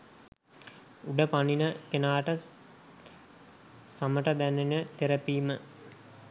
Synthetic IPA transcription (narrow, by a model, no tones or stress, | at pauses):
uɖəpaninək̪enaːʈə | saməʈəd̪ænenət̪eɾəpiːmə